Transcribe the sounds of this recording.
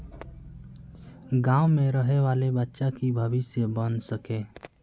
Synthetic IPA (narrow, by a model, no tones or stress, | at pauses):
ɡãːʊmẽɾəɦeʋaːlebətːʃakibʱəʋɪsjəbənsəkẽː